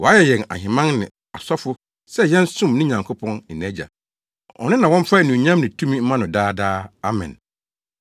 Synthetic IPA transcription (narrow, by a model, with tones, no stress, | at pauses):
wɔ˨a˦jɛ˨jɛ̃˨na̰˨hɪ̃˨mã˦ŋnɪ̰̃˨ | a˨sɔ˦fʊ˦ | sɛ˦jɛ̃˦n˦sʊ̃˦mnɪ̃˦ɲã˨ŋkʰo˦pʰɔ̃˦nɪ˨nɛ̃˦d͡ʑa̰˨ | ɔ̰˨nɪ̃˦nã˨wɔ̃˦m̩˦fa˦˨nũ˨ɲã˦mnɪ̃˨tʰũ˦mĩ˦m̩˦mã˦nʊ̃˨daː˦daː˦a˦mɛ̰̃˨n